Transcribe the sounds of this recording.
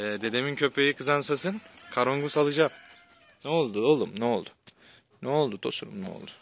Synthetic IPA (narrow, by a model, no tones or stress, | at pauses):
ɛːd̪e̞d̪e̞mincʰø̞pʰe̞jikʰɯzansasɯnkʰaɾo̞ŋɡusalˠɯd͡ʒaːm | nɛo̞lˠd̪udolˠumnɛolˠd̪u | nɛo̞lˠd̪ud̪o̞̰sunṵmnɛo̞̰lˠd̪u̥